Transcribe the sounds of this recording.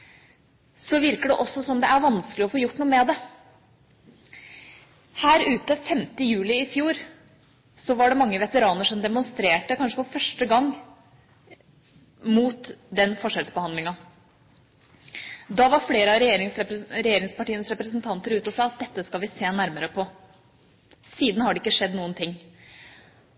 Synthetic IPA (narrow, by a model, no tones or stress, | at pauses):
sɔʋɪɾkəɖɛʔɔsːɔsɔmd̪ɛʔæɾʋɑnsklɪɔfoːjʊʈːnuːəmɛd̪ɛ | hæːɾʉːt̪əfɛmt̪əjʉːlɪɪfjuːɾ | sɔʋɑɖɛmɑŋːəʋɛt̪əɾɑːnəʂɔmd̪ɛmʊnst̪ɾeːʈəkʰɑnʂəpɔfœʂʈəɡɑŋː | muːt̪d̪ɛnfɔʂɛlsbəhɑnd̪lɪŋɑ | d̪ɑʋɑɾfleːɾəɑɾɛjeːɾɪŋsɾɛjeːɾɪŋspɑʈiːənəsɾɛpɾəsnt̪ʰɑnt̪əɾʉːt̪əɔsɑːɑt̪̚d̪ɛt̪ːəskɑlʋɪseːnæɾməɾəpʰɔ | siːd̪n̩hɑɖɛɪkːəʂɛd̪ːnuːənt̪ʰɪŋː